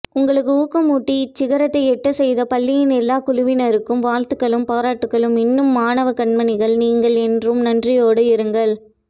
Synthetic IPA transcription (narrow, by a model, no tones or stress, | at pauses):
ʊŋɡɐɭɯkːɯuːkːɐmuːʈːit͡ʃːɪɣɐɾɐt̪ːɐɪɛʈːɐsɛjðɐpɐlːɪjɪnɛlːaːkʊɻʊʋɪnɐɾɯkːɯmʋaːɻt̪ɯkːɐɭɯmpaːɾaːʈːɯkːɐɭɯmɪnːɯmːaːnɐʋɐkɐɳmɐnɪɣɐɭniːŋɡɐɭɛndrɯmnɐndrɪjoːɽɐɪɾɯŋɡɐɭ